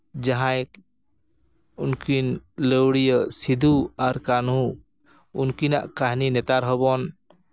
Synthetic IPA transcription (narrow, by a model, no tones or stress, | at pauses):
d͡ʒaɦãj | unkinləwɽijəsid̪ʱuaɾkanu | unkina̰ʔkaɦninɛt̪aɾɦɔbɔn